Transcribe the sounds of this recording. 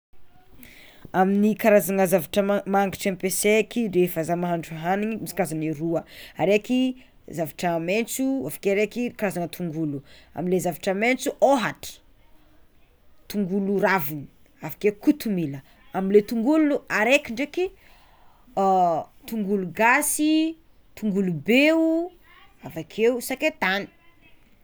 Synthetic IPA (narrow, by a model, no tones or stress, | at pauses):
aminikaɾazaŋəzavaʈ͡ʂəmaaŋɡiʈ͡ʂɛmpesekirefəzamaɦaɳɖ͡ʐuaɦaniɲimisi̥kazaniɾuəaɾeki | zavaʈ͡ʂəment͡suafḁkeɾekikaɾazanət̪ʰuŋɡulua̰milezavaʈ͡ʂəment͡suʔoɦaʈ͡ʂə̥ | t̪uŋɡuluravini̥ | avḁkekut̪umilə | amilet̪uŋɡulunuaɾekʲiɳɖ͡ʐeki | t̪uŋɡuluɡasi | t̪uŋɡulubeu | avakʰeusaket̪ani̥